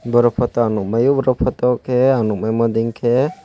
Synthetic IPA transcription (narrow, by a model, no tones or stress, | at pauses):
bɔɾɔpʰɔt̪ɔanuʔ̚majubɔɾɔpʰɔt̪ɔkʰɛanuk̚majmɔd̪iŋkʰɛ